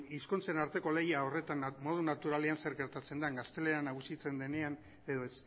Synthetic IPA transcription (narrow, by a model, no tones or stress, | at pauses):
iskunt͡se̞naɾt̪e̞ko̞le̞jao̞re̞t̪anmo̞ð̞unat̪uɾale̞anse̞ɾɡe̞ɾt̪at͡se̞nd̪aŋɡast̪e̞le̞ɾanaɣ̞usit͡se̞nd̪ene̞an | e̞ðo̞e̞s